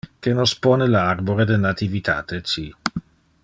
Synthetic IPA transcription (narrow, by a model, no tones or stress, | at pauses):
kenosponelaarboɾed̪enat̪ivit̪ʰa̰ːt̪ʰet͡ʃi